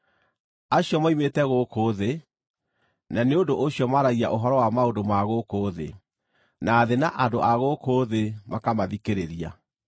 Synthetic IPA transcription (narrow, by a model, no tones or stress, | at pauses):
aɕjɔmaimetɛɣokoːðe | naneondoʔoɕjɔmaɾaɣia̰ʔoɦɔɾɔwamaondomaɣokoːðḛ | naːðenaʔandoʔaɣokoðemakamaðikeɾeɾia